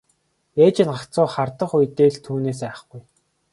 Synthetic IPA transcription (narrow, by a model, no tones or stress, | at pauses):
eːt͡ɕɪ̆nɢakt͡sʊːχart̪ə̆χujt̪eːɮt̪ʰuːneːs̬æːχə̆χɡuj